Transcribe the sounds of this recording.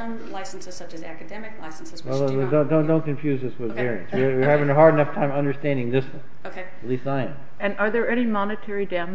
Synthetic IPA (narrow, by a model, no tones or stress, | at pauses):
mlaɪsn̩sʌ | ækɨdɛmɨklaɪsn̩swɛlˠdõʊ̃ndõndõʊ̃nkʰɨ̃ɱfjʉzðɪswɨðvɛɹiɨ̃nswiwiɹhævɪ̃ŋɨɦɑɹɾɨnʌftʰãɪ̃mʌ̃ndə˞stæ̃ndɪ̃ŋðɪswʌ̃n | okˡ | lisaɪɨ̃n | ɨ̃nə˞ðə˞ɛnimɑnɨtʰɛɹidãm